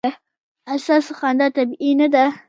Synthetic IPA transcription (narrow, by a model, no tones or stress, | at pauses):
asasxand̪at̪abinad̪a